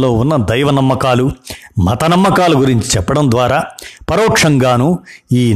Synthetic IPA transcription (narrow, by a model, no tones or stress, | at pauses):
lo̞ːunːɐd̪ɐjʋɐnɐmːɐkaːlumɐt̪ɐnɐmːɐkaːluɡuɾiɲt͡ʃi̥t͡ʃɛpːɐɽɐnd̪ʋaːɾaːpɐɾɔːkʂɐŋɡaːnuiː